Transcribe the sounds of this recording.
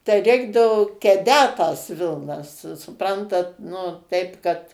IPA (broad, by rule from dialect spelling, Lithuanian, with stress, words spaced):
tɐɪ ˈrʲɛɪɡdɐʋoː kʲɛˈdʲæːt tɐs ˈʋʲɪlˠnɐs sʊ sʊˈprɐntɐt nʊ ˈtʲɛɪp kɐt